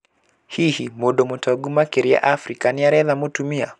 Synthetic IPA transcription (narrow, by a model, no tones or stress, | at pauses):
hihimoɗɔmɔtaɡumakeɾia̰ʔafɾikaniaɾɛðamutumia